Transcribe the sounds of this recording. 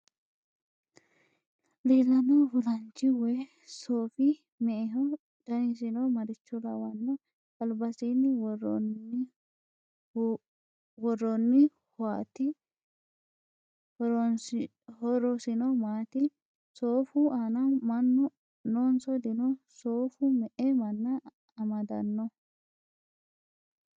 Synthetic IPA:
leːlːɐnɔhʊlɐnt͡ʃːɪwɛ | soːfɪ | mɛɛɦɔ | d̪̥ɐnɪs̬ɪnɔmɐɾɪt͡ʃːɔlɐ̰wɐnːɔ | ɐlbɐsiːnːɪwɔrɔn | wɔrːɔnːɪ | hɔaːt̪ɪ | hɔɾɔsɪnɔmaːt̪ɪ | soːfʊʔanɐmɐnːɔ | noːnsɔd̪ɪnɔsoːfʊmɛʔɛmɐnːɐ | ɐmɐd̪ɐ̰nːɔ

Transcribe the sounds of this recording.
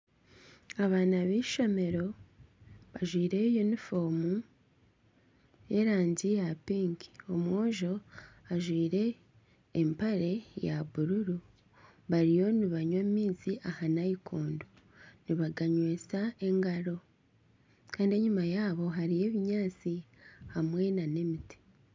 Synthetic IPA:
aβaːnaβiːʃo̞me̞ɾo̞ | βaʒwiːɾe̞junifo̞mu | je̞ɾaːɲɟijapiːŋki̥o̞mwoːʒo̞aʒwiːɾe̞ː | mpaɾe̞jaβuɾuɾu | βaɾijo̞niβaɲwammiːziʔahanajikʰoːndo | niβaɡaɲwe̞ːt͡sae̞ŋɡaɾo̞ | kaːndie̞ɲumajaːβo̞ɦaɾije̞βiɲaːt͡si | hamwe̞nane̞miti̥

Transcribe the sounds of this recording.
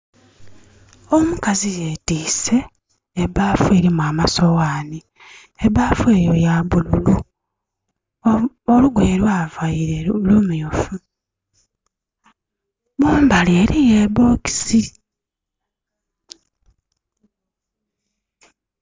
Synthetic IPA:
o̞mukazijeːtiːse̞ː | βaːfue̞ːɾimuaːmaso̞waːni | eβafwe̞ːjo̞jaβululu | oluɡweːɾwaːvajiɾelumujofu | moːmbale̞ːɾijeβo̞ːki̥si

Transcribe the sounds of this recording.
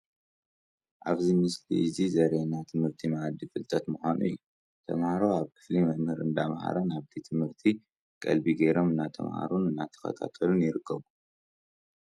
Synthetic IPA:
ʔaβzimɨslḭzizɐɾenat̪ʰɨmhɨɾt̪ʰimaʕd̪ːifɨlt̪ʼʰɐt̪muxanṵjːu | t̪ʰɐmhaɾoaβkʰɨ̥flimɐmhɨɾɨnd̪amha̰ɾɐnaβt̪ʰit̪ʰɨmhɨɾt̪ʰi | kʼɐ̰lbiɡɐjɾo̞mɨnːat̪ʰɐ̰mha̰ɾunɨnːat̪ʰɐ̥xɐ̰t̪ʰa̰t̪ʰɐlunjɪɾɨkʰːɐβu

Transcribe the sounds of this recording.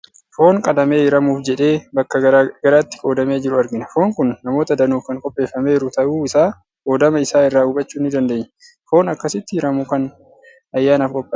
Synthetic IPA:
fo̞ːŋkʼɐd̪ɐme̞ːɪɾɐmuːfd͡ʒɛᶑe̞ːbɐkːɐɡɐɾaːt̪ːɪ̥kʼo̞ːd̪ɐme̞ːd͡ʒɪɾʊɐɾɡɪnɐfo̞ːŋkʊnːɐmoːt̪ɐd̪ɐnuːfkɐŋkʼɔpʼːe̞ːfːɐme̞ːɾʊt̪ɐʔuːɪsaː | ko̞ːd̪ɐmɐɪsaːɪrːaːʊbɐt͡ʃːuːnːɪd̪ɐnd̪eːɲ | fo̞ːnɐkːɐsɪt̪ːɪhɪɾɐmukɐn | ɐjːaːnaɐːfkʼɔpʼːɐ

